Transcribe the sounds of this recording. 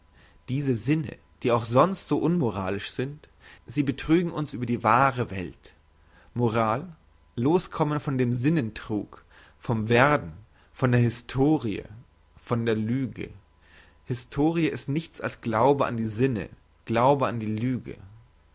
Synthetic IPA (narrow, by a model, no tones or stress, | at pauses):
d̥iːzəzɪnə̰ | d̥iːaʊxz̥ɔnstz̥oːʔʊnmoʁ̞aːlɪʃz̥ɪnt | z̥iːbətʁ̥yːɡŋ̩ʊnsʔyːbɐdiːvaːʁəvɛ̰lt | moʁaːlː | oːskʰɔmənfɔndeːmzɪnəntʁ̥uːk | fɔmveɐdn̩ | fɔndeːɐɦɪstʰoːʁiə̰ | fɔndeːɐlyːɡə̰ | hɪstʰoːʁiəɪstnɪçt͡sa̰lsɡ̥laʊbəa̰ndiːzɪnə̰ | ɡ̥laʊbəandiːlyːɡə̰